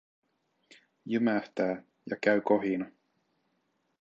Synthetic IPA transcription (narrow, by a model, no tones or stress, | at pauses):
jymæht̪æː | jɑkæɥkoɦinɑ